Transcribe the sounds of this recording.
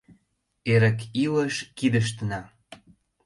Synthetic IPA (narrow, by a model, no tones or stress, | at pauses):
eɾə̆kiləʃkid̪əʃ̬t̪ənɑ